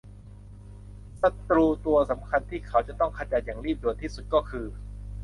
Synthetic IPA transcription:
sa˧t̪ɾuː˧t̪u˧ɐsa˩˦mkʰa˧nt̪ʰiː˥˩kʰa˦˥wt͡ɕa˨˩t̪ɔ˥˩ŋkʰaː˧t͡ɕaː˧n̚jaː˨˩ŋɾiː˥˩p̚du˨˩ət̪ʰiː˥˩su˨˩t̪̚kɔː˥˩kʰɯː˧

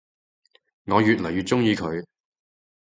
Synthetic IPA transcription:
ŋɔː˨˧jyː˨t̚lɐ˨˩jyː˨t̚t͡ʃʊ˥ŋjiː˧kʰɵ˨˧ɥ

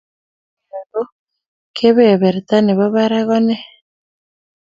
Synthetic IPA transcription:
a˨ɾo˦ | kʰe˦βe˨βe˨ɾi˨t̪a˦ne˨βa˦βa˦ɾa˦ɣɔ˦ne˦

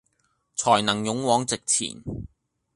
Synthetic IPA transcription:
t͡sʰɔː˨˩jnɐ˨˩ŋjʊ˨˥ŋwɔː˨˥ŋt͡sɪ˨k̚t͡sʰḭː˨˩n

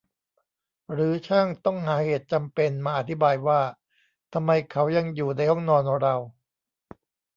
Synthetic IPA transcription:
ɾɯː˩˦t͡ɕʰaː˥˩ŋt̪ɔ˥˩ŋɦaː˩˦heː˨˩t̪̚t͡ɕa˧mpe˧nmaː˧ʔa˨˩t̪ʰːi˦baː˧jwaː˥˩ | t̪ʰa˧mːa˧jkʰa˦˥wja˧ŋjuː˨˩na˧jhɔ˥˩ŋnɔː˧nʔa˨˧˩ɾa˧w

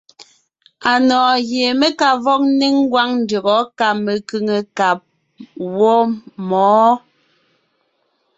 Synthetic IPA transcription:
a˨nɔː˨ɣje˨me˦ka˨vɔ˦k̚ne˦ŋ˦ɡwa˦ŋn̩˦də˨ɣɔ˨˦ka˦˨me˨kʉ˦ŋe˨ka˨p̚ | wɔ˦mɔː˨˦

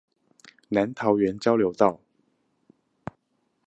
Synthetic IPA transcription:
na˧˦nt̪ʰɑ˨˧˥ʊɥɛ˧˦nt͡ɕjɑ˥ʊljo˧˥ʊt̪ɑ˥˨ʊ

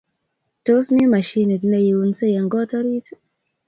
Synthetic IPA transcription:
to˦smi˦ma˨ʃi˦ne˨tne˦˨ji˨u˨˦nse˦ja˨ŋɡɔ˦tɔ˦ɾi˦t

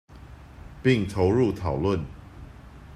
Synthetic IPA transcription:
pi˥˨ŋt̪ʰo˧˦ʊɻu˥˨t̪ʰɑ˨˩ʊlwə˥˨n

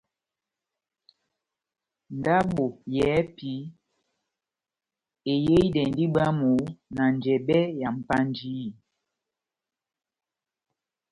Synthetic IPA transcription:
n˨da˦ɓo˨jɛː˨˦pi˨˦ | e˨je˦i˦dɛ˨n˦di˦ɓa˦mu˨˦na˨n˨d͡ʒɛ˨bɛ˦ja˨m̩˨pa˦nd͡ʒi˦˨

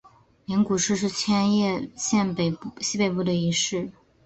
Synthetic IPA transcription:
li˧˥ŋku˨˩ʂɻ̩˥˧ʂ̬ɻ̩˥˩t͡ɕʰjɛ˥njɛ˥˧ɕjɛ˥˩n˩ɕi˥pe˨˩ɪpu˥˩d̪ə˩i˧˥ʂɻ̩˥˩

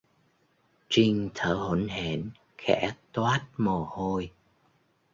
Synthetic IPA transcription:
t͡ɕi˧ŋt̪ʰəː˧˩hə˧˥nɦe˧˩˨n | xɛ̰˧˥t̪waː˦˥t̚mo˨˩ho˧j

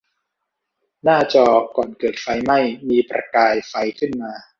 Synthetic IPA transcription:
naː˥˩t͡ɕɔː˧kɔː˨˩nkɤː˨˩t̪̚fa˧jma˥˩jmiː˧pɾa̰˧kaː˧jfa˧jkʰɯ˥˩nmaː˧

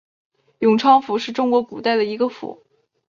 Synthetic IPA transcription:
jʊ˨˩ŋʈ͡ʂʰɑ˥ŋfu˨˥ʂɻ̩˥˩ʈ͡ʂʊ˥ŋkwɔ˧˥ku˨˩t̪a˥˩ɪd̪ə˩i˧˥ɡə˧fṵ˧˥˦

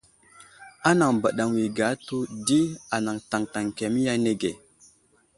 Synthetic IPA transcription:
a˦na˨ŋba˨ɗa˨ŋwi˨ɡa˨˦tu˦di˦a˨na˨ŋta˨ŋta˨ŋke˨mi˦ja˦ne˨ɡe˨

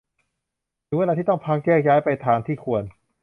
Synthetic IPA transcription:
dɯː˧˦wla˧t̪iː˥˩t̪ɔ˥˩ŋpʰaː˦˥k̚t͡ɕɛː˥˩k̚jaː˦˥jpa˧jt̪ʰaː˧ŋt̪ʰiː˥˩kʰu˧ən

